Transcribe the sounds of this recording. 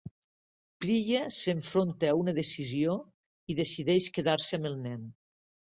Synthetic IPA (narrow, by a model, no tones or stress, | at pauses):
pɾiʎeseɱfɾont̪eːunəðesizio | iðesiðɛʃkeðaɾsəaməlˠnɛn